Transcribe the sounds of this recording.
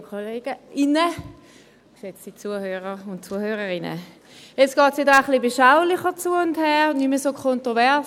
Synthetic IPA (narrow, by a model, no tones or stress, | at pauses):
kʰoleːɡ̥əɪnə | set͡sdiːt͡suːəɐhøːʁəʊntt͡suəhøːʁəʁɪnə̰ | jet͡sɡ̥ɔːtsjedaχlibeʃaʊlɪχət͡suːəʊnthɛːʁnyməsoːkʰɔntʁovɛ